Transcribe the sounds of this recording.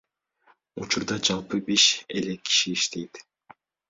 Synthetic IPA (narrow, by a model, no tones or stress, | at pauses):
ut͡ʃuɾd̪ɑd͡ʒɑlˠpɯbiʃelekʰːi̥ʃiːʃt̪ʰejt̪